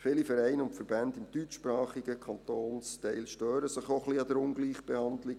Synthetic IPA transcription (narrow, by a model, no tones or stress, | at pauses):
fɪːlifɛɾɛɪnʊntfəɾbændɪmd̥yt͡ʃpɾɑːχiɡəkʰɑntoːnstɛɪlʃtøːɾəsɪχoχliɑd̥̪əɾʊŋɡliːχb̥ɛhɑndlɪɡ